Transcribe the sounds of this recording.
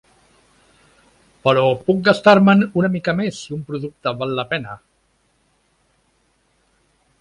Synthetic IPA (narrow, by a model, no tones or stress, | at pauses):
pəɾɔpuk̚ɡast̪aɾmənunəmikəmesːiumpɾuðuk̚t̪əβalːəpɛnə